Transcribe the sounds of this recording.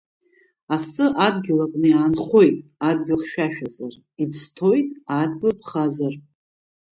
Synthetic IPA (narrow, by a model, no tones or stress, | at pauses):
asɨʔadɡʲɪlakʼnɨjaːnχo̞jtʼadɡʲɪlχʃᶣaʃᶣazar | idstʰojtʼadɡʲlpʰχazar